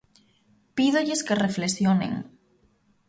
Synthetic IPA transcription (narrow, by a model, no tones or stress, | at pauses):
piðoʎɪskereflesjonḛŋ